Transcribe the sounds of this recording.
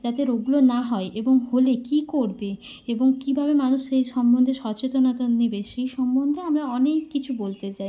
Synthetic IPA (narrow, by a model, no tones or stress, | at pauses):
d͡ʑat̪eɾoɡlonaɦɔeʔeboŋholekikoɾbe | eboŋkibʱabemanuʃʃejʃɔmbond̪ʱeɾʃɔt͡ɕet̪onat̪anibeʃejʃɔmbond̪ʱeamɾaɔnekːit͡ɕʰubolt̪et͡ɕaj